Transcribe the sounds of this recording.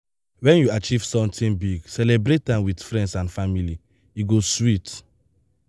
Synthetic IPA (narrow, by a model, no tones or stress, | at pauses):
wɛ̃njuat͡ʃiv̥sɔ̃mtĩnbiɡsɛlebɾet̚ãmwidfɹɛ̃ndsãnfamili | iɡoswit